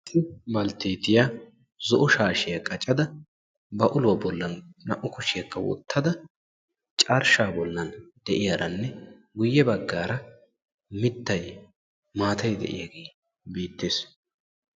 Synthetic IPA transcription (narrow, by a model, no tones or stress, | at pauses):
tːɪbɐlt̪eːt̪ɪja | zɔʔʊʃaːʃɪjɐkʼɐt͡ʃʼːɐd̪ɐ | bɐʔʊlʊwɐbɔlːɐnːɐ̰ʔːʊkʊʃɪjɐkːɐwɔ̰t̪ʰːɐd̪ɐ | t͡ʃʼɐɾʃaːbɔlːɐnd̪̥ɛʔɪjaːɾɐnːɛ | ɡʊjːɛbɐɡːaːɾɐ | mɪt̪ːɐj | maːt̪ɐjd̪ɛ̰ʔɪ̰jaɡeː | biːt̪ːeːs